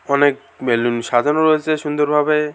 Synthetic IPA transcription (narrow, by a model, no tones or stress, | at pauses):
ɔnek̚ | melunʃadʱanoɾɔet͡ɕʰeʃund̪oɾbʱabe